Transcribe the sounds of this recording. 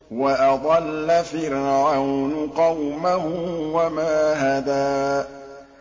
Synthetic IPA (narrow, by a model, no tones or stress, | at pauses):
waʔɑd̪ˤɑlːafɪɾʕawnʊqɑwmahʊwamaːɦaðaː